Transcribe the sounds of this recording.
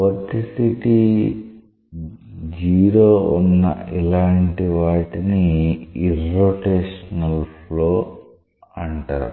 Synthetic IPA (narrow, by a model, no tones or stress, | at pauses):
pod̪ːisiʈi | d͡ʒiːɾoːunːɐ̰ilaːɳʈiʋaːʈiniiɾrːoːʈeːʂɐɐnɐlfloː | ɐɳʈa̰ːɾu